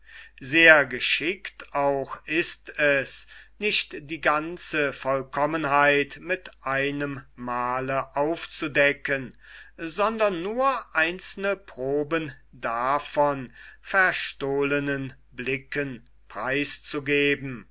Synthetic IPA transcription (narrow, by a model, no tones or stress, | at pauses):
zeːɐɡəʃɪktaʊxɪstɛsnɪʃtd̥iːɡant͡səfɔlkɔmənɦaɪtmɪtʔaɪnəmːaːləʔaʊft͡sudɛkən | zɔndɐnːuːɐʔaɪnt͡sl̩nəpʁ̥oːbən | dafɔnfɛɐʃtoːlənən | blɪkən | pʁ̥aɪst͡suɡeːbm̩